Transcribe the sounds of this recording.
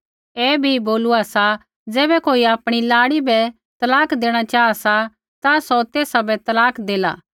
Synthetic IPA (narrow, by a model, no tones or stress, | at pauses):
ɛːbʱiboːlʊasa | d͡zɛːbɛkoːiaːpɽ̃ilaːɽibɛ | t̪ɐlaːkʰd̪eːɽ̃at͡ʃaːasa | t̪asɔt̪eːsabɛt̪ɐlaːkʰd̪eːla̰ː